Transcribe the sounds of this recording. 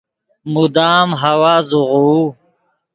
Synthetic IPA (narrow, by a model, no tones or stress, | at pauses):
mud̪aːmɦɐwaːzuʁu